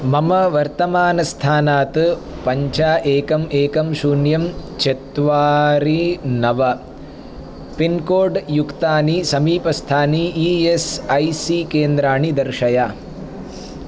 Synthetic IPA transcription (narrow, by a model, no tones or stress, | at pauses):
mɐmɐʋɐɾt̪ɐmaːnɐst̪ʰaːnaːt̪ɨpɐɲt͡ʃaːʔeːkɐmeːkɐmʃuːnjɐmt͡ʃet̪ʋaːɾinɐʋɐ | pinkoːɖjukt̪aːnisɐmiːpɐst̪ʰaːniiesɐjsikeːnd̪ɾaːɳid̪ɐɾʃɐja